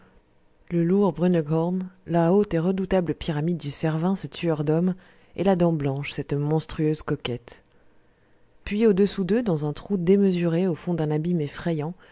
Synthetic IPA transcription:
ləluʁbʁynɡɔʁnlaot̪eʁəd̪ut̪abləpiʁamid̪ːysɛʁvɛ̃sət̪ʰyœʁd̪ɔm | elad̪ɑ̃blɑ̃ʃsɛt̪mɔ̃st̪χyøzkɔkʲɛt̪ | pɥiod̪əsud̪ød̪ɑ̃zɛ̃t̪χud̪eməzyʁeofɔ̃d̪ɛ̃nabimefχejɑ̃

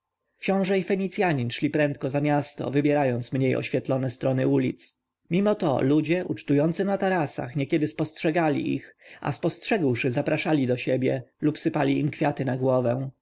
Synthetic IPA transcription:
kɕɔ̃w̃ʐɛifɛɲit̪sʲjaɲinʂlʲipɾɛnt̪̚kɔzamʲjast̪ɔ̰vɘbʲjɛɾajɔnt̪smɲejɔ̰ɕfʲjɛt̪lɔnɛst̪ɾɔnɘulʲit̪s | mʲimɔt̪ɔ̰lud͡ʑɛʔut͡ʂt̪ujɔnt̪sɘnat̪aɾasa̰xɲɛkʲɛd̪ɘspɔstʂɛɡalʲḭʔḭxa̰spɔstʂɛɡwʂɘzapɾaʂalʲid̪ɔɕebʲjɛlupsɘpalʲiimkfʲjat̪ɘnaɡwɔvɛw̃

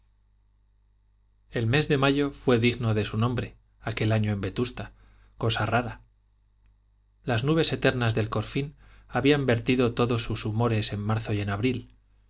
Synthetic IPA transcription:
e̞lme̞zðe̞maʝo̞fwe̞ðiɣno̞ðe̞sunõ̞mbɾe̞ | ake̞laɲoe̞mbe̞t̪ust̪a | ko̞saraɾa | laznuβ̞e̞se̞t̪e̞ɾnazðe̞lko̞ɾfinaβiambe̞ɾt̪iðo̞t̪o̞ðo̞susumo̞ɾe̞se̞mːaɾθo̞je̞naβɾil

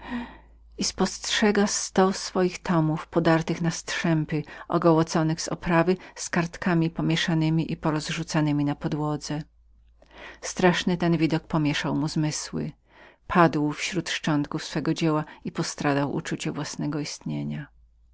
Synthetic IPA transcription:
ispɔstʂɛɡast̪ɔsfɔjixt̪ʰɔmufpɔd̪aɾt̪ɘxnast̪ʂɛmpɘɔ̰ɡɔwɔt̪sɔnɘɣzɔ̰pɾavɘskaɾt̪kamʲipɔmʲjɛʂanɘmʲiʔipɔɾɔzʐut̪sanɘmʲinapɔd̪wɔd̪zɛ | st̪ɾaʂnɘt̪ɛnvʲid̪ɔk̚pɔmʲjɛʂawmuzmɘswɘ̰ | pʰad̪wfɕɾut̪ʂt͡ʂɔnt̪kufsfɛɡɔd͡ʑɛwaipɔst̪ɾad̪awʔṵt͡ʂut͡ɕɛvwasnɛɡɔist̪ɲeɲa

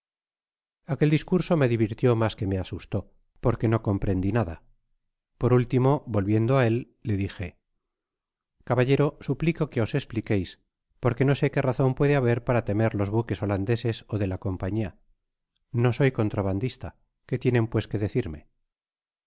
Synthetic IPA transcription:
ake̞ld̪iskuɾso̞me̞ðiβ̞iɾt̪jo̞maske̞me̞asust̪o̞ | poɾke̞no̞ko̞mpɾe̞nd̪inaða̰ | po̞ɾult̪imo̞βo̞lβje̞nd̪oae̞lː | e̞ðixe̞ | kaβaʎe̞ɾo̞supliko̞ke̞o̞se̞splike̞js | po̞ɾke̞no̞se̞ke̞raθo̞mpwe̞ðeaβ̞e̞ɾpaɾat̪e̞me̞ɾlo̞zβuke̞so̞land̪e̞se̞so̞ðe̞lako̞mpaɲia | no̞so̞jko̞nt̪ɾaβand̪ist̪a | ke̞t̪je̞ne̞mpwe̞ske̞ðe̞θiɾme̞̰

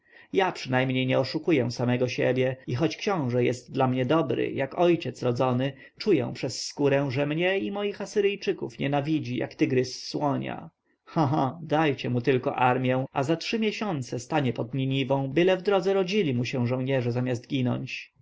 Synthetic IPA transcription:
japʂɘnajmɲejɲɛɔʂukujɛ̃samɛɡɔɕɛ̰bʲjɛixɔt͡ɕkɕɔ̃w̃ʐɛjɛst̪̚d̪lamɲɛd̪ɔbɾɘ̰jakɔjt͡ɕɛt̪sɾɔd̪zɔnɘ | t͡ʂujɛ̰w̃pʂɛsːkuɾɛ̃w̃ʐɛmɲɛimɔjixasɘɾɘjt͡ʂɘkṵfɲɛ̰navʲid͡ʑija̰kt̪ɘɡɾɘsːwɔɲa̰ | xãɦad̪ajt͡ɕɛmut̪ɘlkɔʔaɾmʲjɛ̃azatʂɘmʲjɛɕɔnt̪sɛst̪aɲɛpɔd̪̚ɲiɲivɔ̃w̃bɘlɛvd̪ɾɔd̪zɛɾɔd͡ʑilʲimuɕɛ̃w̃ʐɔ̃w̃ɲɛʐɛzamʲast̪ɡʲinɔ̰ɲt͡ɕ

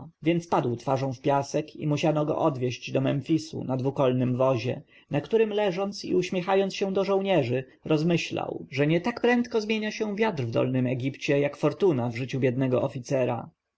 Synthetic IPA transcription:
vʲjɛnt̪spad̪wt̪faʐɔ̃w̃fpʲjasɛkḭmuɕanɔɡɔ̰ʔɔd̪vʲjɛɕd͡ʑd̪ɔmɛmfʲisṵnad̪vukɔlnɘmvɔʑɛ̰ | nakt̪uɾɘmlɛʐɔnt̪sḭuɕmʲjɛxajɔnt̪ɕɛ̃d̪ɔʐɔwɲɛʐɘ | ɾɔzmɘɕla̰wʐɛɲɛt̪akpɾɛnt̪kɔzmʲjeɲaɕɛ̃vʲjad̪ɾvd̪ɔ̰lnɘmɛɡʲipt͡ɕɛjakfɔɾt̪unavʐɘt͡ɕubʲjɛd̪nɛɡɔʔɔfʲit̪sɛɾa̰

